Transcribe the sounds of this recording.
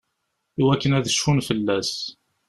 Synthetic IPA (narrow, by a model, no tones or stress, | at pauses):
iwækːənæðəʃfunfəlːæs